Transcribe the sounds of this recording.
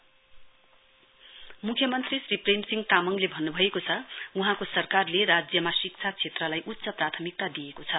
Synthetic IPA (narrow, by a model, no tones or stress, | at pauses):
mukʰjʌmʌnt̪risripʰrensiŋɡt̪amʌŋlebʱʌnːubʱʌekot͡sʰʌuɦãkosʌrkarlerad͡zjʌmasik̚t͡sʰat͡sʰet̪rʌlajʔut̪ːsʌprat̪ʰʌmik̚t̪ad̪ijekot͡sʰʌ